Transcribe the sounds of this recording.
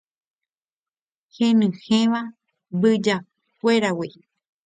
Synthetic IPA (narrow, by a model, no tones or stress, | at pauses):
hẽnɨ̃hẽʋa | bɨd͡ʒa | kʷeɾawi